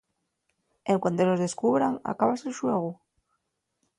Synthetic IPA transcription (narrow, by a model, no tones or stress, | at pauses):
eŋkwant̪olozðeskuβɾaŋa̰kaβaselʃweɣ̞u